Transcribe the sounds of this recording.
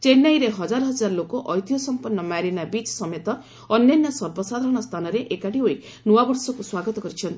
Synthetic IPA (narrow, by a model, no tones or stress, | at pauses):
t͡ʃenːajɾeɦɔd͡ʒaɾɔɦɔd͡ʒaɾlokoʔɔjt̪ijɔsɔmpɔnːɔmaɾinabit͡ʃsɔmet̪ɔ | ɔnjɔnjɔsɔɾbɔsad̪ʱaɾɔɽ̃ɔst̪ʰanɔɾeʔekaʈiɦoi | nuwabɔɾsɔkuswaɡɔt̪ɔkɔɾit͡ʃʰɔnt̪i̥